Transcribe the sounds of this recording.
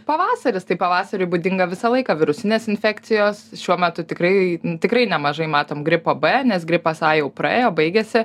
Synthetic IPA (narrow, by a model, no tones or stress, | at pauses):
pɐʋɑːsɐɾʲɪst̪ɐɪpɐʋɑːsɐɾʲʊɪbud̪ʲɪŋɡɐʋʲɪsɐlˠɐɪkɐʋʲɪɾʊsʲɪnʲeːsɪnʲfʲɛkt̪sʲɪjoːsʃʲuɔmʲɛt̪ʊt̪ʲɪkrɐɪt̪ʲɪkɾɐɪnʲɛmɐʒɐɪmɑːt̪oːmɡɾʲɪpoːbɛnʲɛsɡɾʲɪpɐsɑːjɛʊprɐ̰ḛːjoːbɐɪɡʲɛsʲɪ